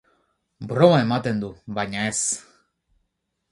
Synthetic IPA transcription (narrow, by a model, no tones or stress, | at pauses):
bɾɔmaemat̪end̪ubaɲaes